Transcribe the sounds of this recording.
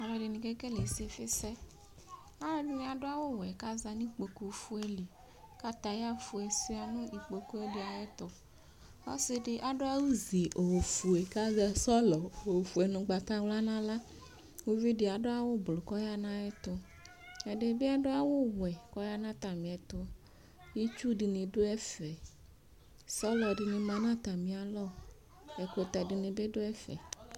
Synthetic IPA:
a˨lɔ˨ɖe˨nĩ˨ke˦ke˦le˨si˦e˨fe˦sɛ˦ | a˦ɔ˦bi˦mĩ˨˦a˨ɖo˦a˦wo˦wɛ˨ka˦za˨nĩ˦k͡po˨ku˨fu˦e˦li˨ | ka˦t̪a˨ja˦fu˨e˨se˦a˨nõ˦i˨k͡po˨ku˦e˦de˨a˨ɛ˦t̪ɔ˨ | a˦se˦ɖe˨ʔa˨ɖo˦a˦wu˦zi˨ʔo˨fu˨e˨ka˦za˨sɔ˦lɔ˨o˨fu˨e˨nũ˨ɡ͡ba˨t̪a˦wla˦nã˦la˦ | wo˦vi˦di˨a˨ɖo˦a˦wo˦blo˨kɔ˦ja˦nã˦ɛ˦t̪o˦ | ɛ˨ɖe˦bi˦a˦ɖo˦a˦wo˦wɛ˨kɔ˦ja˦nã˦t̪a˨mĩ˨ɛ˨t̪o˦ | ji˦t͡ʃu˦ɖi˨nĩ˨ɖo˦ɛ˦fɛ˨ | sɔ˦lɔ˨ɖi˨nĩ˨mã˨˦nã˦t̪a˨mĩ˨a˨lɔ˦ | e˨ko˨t̪a˨ɖi˨nĩ˨be˦ɖo˦ɛ˦fɛ̰˨

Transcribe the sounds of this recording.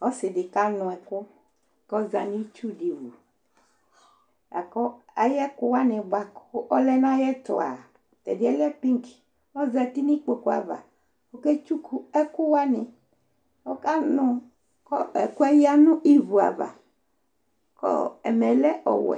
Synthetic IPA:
ɔ˦sɪ˨dɪ˨ka˦nʊ̃˨ɛ˨kʊ˦ | kɔ˦za˨nĩ˦t͡ʃu˦di˨vu˨ | a˨kɔ˦a˨jɛ˦kʊ˦wa˦nɪ̃˨ba˨kɔ˦lɛ˦nã˦jɛ˦t̪ɔ̰˨a̰˨ | t̪ɛ˨dɪ˦ɛ˦lɛ˦pi˦ŋki̥˨ | ɔ˦za˨t̪i˦nĩ˦k͡po˨ku˦a̰˨va̰˨ | o˦ke˦t͡ʃu˦ku˦ɛ˦kʊ˦wa˦nɪ˨ | wɔ˦ka˦nʊ̃˦ | kɔ˦ɛ˨ku˦a˦ji˦a˦nʊ̃˦ʔi˦vu˨a̰˨va̰˨ | kɔ̰˦ɛ̰˨mɛ˨lɛ˦ʔɔ̰˨wɛ̰˨

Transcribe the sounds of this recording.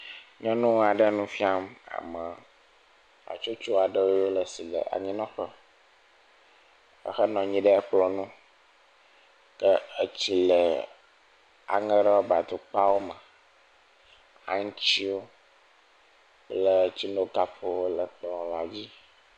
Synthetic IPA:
ɲɔ̃˦nũ˦wa˨ɖə˦nũ˦fi˦a˦ma̰˨mə˨ | a̰˨t͡ʃo˦t͡ʃo˦a˨ɖə˦wo˦o˦lə˨si˨lə̰˨a̰˨ɲĩ˦nɔ̃˦ɸə˦ | ə̰˨xə˦nɔ̃˨ɲĩ˦ɖə˦ɛ˦k͡plɔ˨nũ˦ | kə˦ə˦t͡ɕi˦lə˨ | a̰˨ŋə˦ɖə˦wo˦ba˨d̪u˨k͡pa˦wo˦mə̃˨ | a̰˨ŋ˦t͡ɕi˦wo˦ | plə˦t͡ɕi˦no˦ka˦ɸo˦wo˦lə˨k͡pɔ̃˨la˨d͡ʑi˦

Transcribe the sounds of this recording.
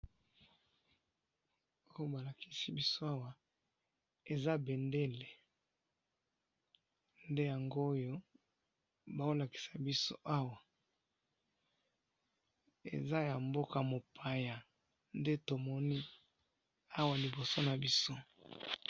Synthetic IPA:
o˦jo˦ba˨la˨ki˦si˦bi˦so˦a˦wa˨ | e˨za˦be˨nde˦le˨ | nde˦ja˨ŋɡo˦jo˦ | ba˨o˦la˨ki̥˨sa˨bi˦so̰˦ʔa˦wa˨ | ḛ˨za˦ja˨mbo˦ka˨mo˨pʰa˨ja˨ | nde˦to˨mɔ˦ni˦ | a˦wa˨li˨bo˨so˦na˨bi˦so˦

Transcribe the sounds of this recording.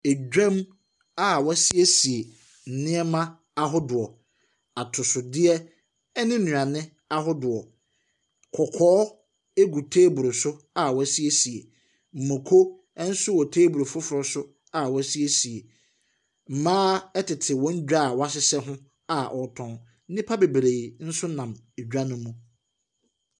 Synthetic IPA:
e˨d͡ʑᶣã˦m | a˦˨wɔ˦si˦e˦si˨e˨ | n̩˨nɪ̃˦ɛ˦mã˦ | a˦ɦʊ˦dʊ˨ɔ˨ | a˨tʰʊ˨sʊ˨dɪ˦ɛ˦ | ɛ˦nɪ̃˦nũ˨ã˨nɪ̃˦ | a˦ɦʊ˦dʊ˨ɔ˨ | kʰɔ˨kʰɔː˦ | e˦ɡu˨tʰeː˦bu˨ɾo˨sʊ˦ | a˨wɔ˦si˦e˦si˨e˨ | m̩˨mõ˨kʰo˦ | ɛ˦n̩˦sʊ˦wɔ˨tʰeː˦bu˨ɾo˨fʊ˦fʊ˨ɾɔ˦sʊ˦ | a˨wɔ˦si˦e˦si˨e˨ | m̩˨mãː˦ɛ˦tʰɪ˨tʰɪ˨wɔ̃˦ɲ̩˦d͡ʑᶣa˦˨wa˦sɪ˦sɛ˦ɦʊ̃˦ | a˨ʔɔ˨tʰɔ̃˨n˦ | nɪ̃˦pʰa˦be˨bɾe˨i˨n̩˦sʊ˦nã˨m | e˨d͡ʑᶣa˦nʊ̃˦mũ˦

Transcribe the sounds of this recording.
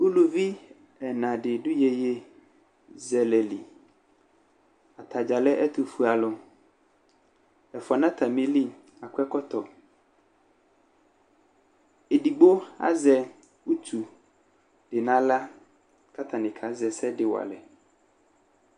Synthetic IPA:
u˦lu˨vi˦ | ɛ˨nã˨dɪ˨dʊ˦je˨je˦ | zɛ˨lɛ˨li˨ | a˨t̪ʰa˨d͡ʒa˨lɛ˦ʔɛ˦t̪ʊ˨fu˨a˨lʊ˨ | ɛ˨fɔ˨nã˦t̪ʰa˨mĩ˨li˦ | a˨kʰʷɛ˦kɔ˦t̪ɔ˨ | e˨di˨ɡ͡bo˦a̰˦zɛ˨ | wu˦t̪ʰu˨ | d̥ɪ˨nã˨˦la˦ | ka˦t̪ʰa˨nɪ̃˨kʰa˨˦zɛ˨sɛ˦dɪ˦˨wa̰˨lɛ̰˨

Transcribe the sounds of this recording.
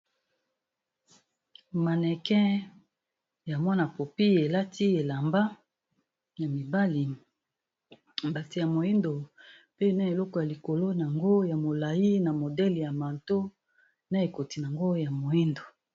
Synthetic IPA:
ma˨nɛ˨kɛ˦ | ja˨mwɔ˦na˨po˨pi˦e˨la˦tʰi˦e˨la˨mba˦ | ja˨mi˨ba˦li˨ | m˨ba˨ti˨ja˨mo˨i˦ndo˨ | pe˦˨na˦e˨lɔ˦kɔ˨ja˨li˨ko˨lo˦na˨ŋɡo˦ja˨mo˨la˨ji˦na˨mo˨dɛ˦li˨ja˨ma˨nto˦ | na˦e˨ko˨ti˨n˨a˨ŋɡo˦ja˨mo˨ji˦ndo˨

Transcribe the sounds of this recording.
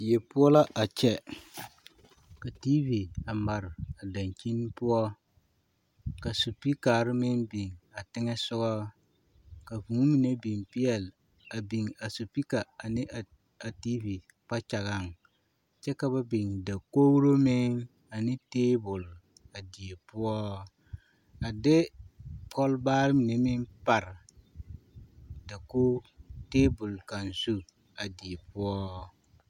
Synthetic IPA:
jɛ˨pʊ˦ɔ˦la˦ʔa˨t͡ʃɛ˦ | ka˨ti˦vi˨a˨ma˨ɾɪ˨a˨da˨ŋki˦n˦pʊ˦ɔ˦ | ka˨su˨pi˦kaː˨ɾɪ˦mɪ˦ŋbi˨ŋa˨tɪ˦ŋɛ˦sʊ˦ɡa˦ | ka˨vu˨˦mi˨ne˦bi˨ŋ˨pi˦ɛ˨l | a˨bi˨ŋa˨su˨pi˦ka˨a˨nɪ˦ʔ | a˨ti˦vi˨ | pa˦t͡ʃa˨ɣa˦˨ŋ | t͡ʃɛ˦ka˦ba˦bi˨ŋda˨ko˦wu˦ɾo˦mɪ˦ŋ | a˨nɪ˦teː˦bʊ˨l | a˨di˨e˨pʊ˦ɔ˦ | a˨dɪ˦pʰɔ˦lbaː˦ɾmi˨ne˦mɪ˦npa˨ɾ | da˨koː˦teː˦bʊ˨lka˨nsu˦ | a˨di˨e˨pʊ˦ɔ˦

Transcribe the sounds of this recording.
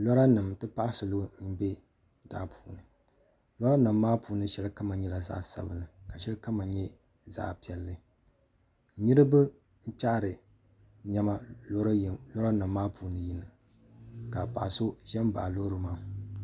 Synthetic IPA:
lɔ˦ɾa˦nɨ˨mtɨ˦pa˦ʔa˦sɨ˨lo˦n̩˦bɛ˦ | da̰ː˦pʰuː˨nɨ˨ | lɔ˦ɾa˦nɨ˨mː˦aː˦puː˨˦nɨ˦ʃɛ˦lɨ˦ka˦ma˨ɲɛ˦la˨za̰ː˦sa̰˨bɨ˦nɨ˨ka˨ʃɛ˦lɨ˦ka˦ma˨ɲɛ˦ | za̰ː˦pi˨˦ɛ˨˦lːɨ˨˦ | nɨ˦ɾɨ˦bɨ˦ | m̩˦pa˦ʔɾɨ˨ | ɲɛ˦ma˦lo˦ɾlɔ˦ɾa˦nɨ˨mːaː˦pʰuː˨nɨ˨ji˦nɨ˨ | ka˨pa˨so˦ʒɛ˦mba̰˨lo˦ɾɨ˨maː˦

